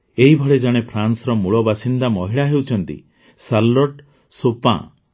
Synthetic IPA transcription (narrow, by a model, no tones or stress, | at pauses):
eɦibʱɔɽed͡ʒaɽ̃epʰɾansɾɔmuɭɔbasind̪amɔɦiɭaɦewt͡ʃʰɔnt̪ḭ | salːɔʈ | sopã̰